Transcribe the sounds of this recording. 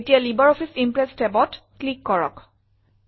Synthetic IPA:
etijalibɔɹɔpʰisimpɹɛstɛbɔtklikːɔɹɔ̰k

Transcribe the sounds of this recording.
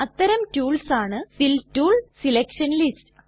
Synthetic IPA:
ɐt̪ːɐɾɐmtuːlsaːɳɨfiltuːɭsilekʂɐnlistɨ

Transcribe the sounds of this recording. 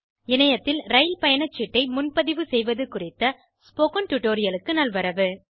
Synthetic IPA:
ɪnɐjɐt̪ːɪlɾɐɪlpɐjɐɳɐt͡ʃːɪʈːɐɪmʊnpɐðɪʋɯsɛjʋɐðɯkʊrɪt̪ːɐ | spoːkɐnʈʊʈːoːɾɪjɐlɯkːɯnɐlʋɐɾɐʋɯ

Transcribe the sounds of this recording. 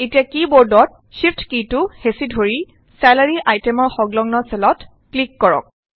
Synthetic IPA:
etijakiboɹdɔt̚ | ʃipʰtkituhesidʱoɹi | sɛlaɹiʔajtɛmɔɹxɔɡlɔŋnɔsɛlɔt | klikːɔɹɔ̰k̚

